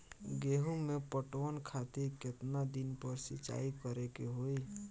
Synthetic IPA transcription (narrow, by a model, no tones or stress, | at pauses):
ɡeːɦumepəʈʋənkʰat̪ekɪt̪nad̪inpəɾsɪt͡ʃa̰ːikəɾekeɦoi